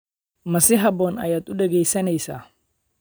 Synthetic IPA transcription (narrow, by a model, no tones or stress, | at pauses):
mɐsɪɦɐbɔːnɐ̰jat̪ʊɗɛɡɛjsɐnɛjsa̰